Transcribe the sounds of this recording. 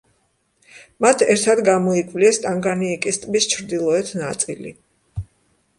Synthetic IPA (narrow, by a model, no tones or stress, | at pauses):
mat̪ʰɛɾt̪ʰad̪ɡamɔikʼvliɛst̪ʼaŋɡaniːkʼist̪ʼbist͡ʃʰɾd̪ilˠɔɛt̪ʰnat̪sʼḭlḭ